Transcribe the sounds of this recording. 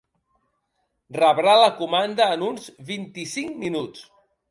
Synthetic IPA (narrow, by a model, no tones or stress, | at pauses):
rəβɾaləkumand̪əːnunzβint̪isiŋminut͡s